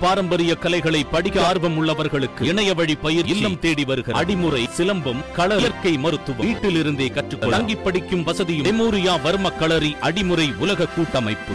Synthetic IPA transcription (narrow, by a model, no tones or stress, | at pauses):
paːɾɐmbɐɾɪjɐkɐlɐɪɣɐɭɐɪpːɐɽɪɣaːɾʋɐmʊɭːɐʋɐɾɣɐɭɯkːɯɪɳɐjɐʋɐɻipɐjɪɾɪt͡ʃlːɐmt̪eːɽiʋɐɾɯɣɐɾɐ̰ɽɪmɯɾɐɪsɪlɐmbɯmkɐɭɐlɐɾkɐɪmɐɾɯt̪ːɯʋɐmiːʈːɪlɪɾɯnd̪eːkɐʈrɯkːɔɐŋɡɪpːɐɽɪkːɯmʋɐsɐðɪjɯɛmuːɾɪjaːʋɐɾmɐkːɐɭɐɾiʔɐɽɪmɯɾɐɪʊlɐɣɐkːuːʈːɐmɐɪpːɯ